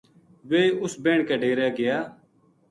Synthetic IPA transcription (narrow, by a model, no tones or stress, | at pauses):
ʋeːʊsbẽːɳkeːɖeːɾjaːɡɪjaː